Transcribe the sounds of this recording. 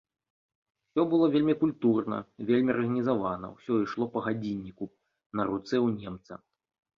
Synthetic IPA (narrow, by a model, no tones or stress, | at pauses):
sʲɔbɨlˠɔvʲelʲmʲikulʲt̪urnɐ̰vʲelʲmʲirɣɐnʲizavanɐ̰wsʲɔiʂlˠɔpɐɣad͡zʲinʲːiku | nɐɾut̪sɛwnʲɛmt̪sɐ̰